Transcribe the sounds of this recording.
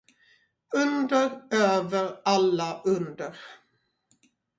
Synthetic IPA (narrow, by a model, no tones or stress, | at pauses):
ɵnd̪əɾøːvəɾalːaʔɵnd̪əɾ